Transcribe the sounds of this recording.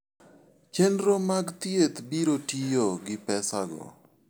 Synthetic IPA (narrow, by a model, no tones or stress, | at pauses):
t͡ʃenɾomaɡt̪jet̪biɾotijoɡɪpɛsaɡɔ̰